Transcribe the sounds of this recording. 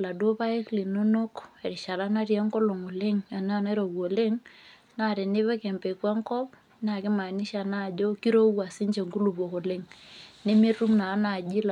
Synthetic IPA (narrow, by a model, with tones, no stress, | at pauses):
la˨do˦pa˦e˦kli˨no˦no˦ke˨ɾɪ˨ʃa˨la˦na˦ɾja˦ŋko˦lo˨ŋo˨lɪ˦ŋa˨na˦na˦ɾo˨wo˨lɪ˦ŋ | na˦˨ɾe˨nɪ˦βɛ˦kɛ˨mpe˨kwa˦ŋkɔ˦p | na˨kɪ˦ma˨ni˦ʃa˨na˦˨d͡ʒo˦ki˦ɾo˦wa˨sɪ˦ɲt͡ʃe˨ŋku˦lu˨bo˨ko˨lɪ˦˨ŋne˦mi˦ru˦mna˨˦na˨d͡ʒi˦l